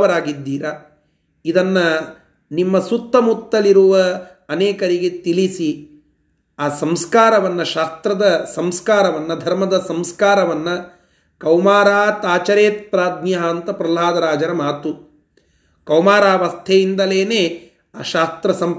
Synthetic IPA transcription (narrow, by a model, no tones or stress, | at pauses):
ɐɾaːɡid̪ːiːɾa | id̪ɐnːɐ | nimːɐsut̪ːɐmut̪ːɐliɾuʋɐː | nɛːkɐɾiɡet̪ilisi | aːsɐmskaːɾɐʋɐnːɐʃaːst̪ɾɐd̪ɐsɐmskaːɾɐʋɐnːɐd̪ʱɐɾmɐd̪ɐsɐmskaːɾɐʋɐnːɐ | kɐwmaːɾaːt̪aːt͡ʃɐɾeːt̪̚pɾaːd̪̚njɐɦɐːnt̪ɐpɾɐlaːd̪ɐɾaːd͡ʒɐɾɐmaːt̪u | kɐwmaːɾaːʋɐst̪ʰɛjind̪ɐleːneː | aːʃaːst̪ɾɐsɐm